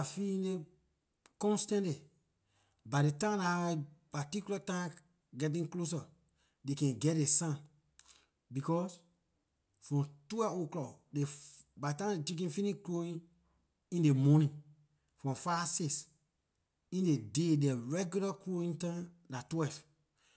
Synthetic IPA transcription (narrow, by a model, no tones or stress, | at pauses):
afiĩne | kɔ̃nstãntli | badetãmnahaipatikjulatã | ɡɛt̬ĩŋklos̬a | dekɛ̃nɡɛt̚desãn | bikɔs | fɹɔ̃mtwɛoklɔkdebatãdet͡ʃek̬ĩnfĩnikloĩn | ĩndemɔnĩn | fɹɔ̃fases | ĩndededɛɹɛɡjulakloĩŋtãm | natwɛv